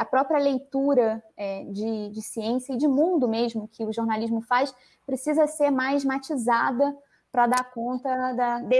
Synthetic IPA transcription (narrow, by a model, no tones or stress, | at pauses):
ɐpɾɔpɾʲiɐlejt̪uɾɐɛd͡ʒɪd͡ʒɪsiẽsjɐɪd͡ʒɪmũnd̪ʊmeʒmʊkʰɪʊʒoɾnaliʒmʊfajs | pɾesizɐseɾmajzmat͡ʃizad̪ɐ | pɾɐd̪aɾkõnt̪ɐd̪ɐd̪e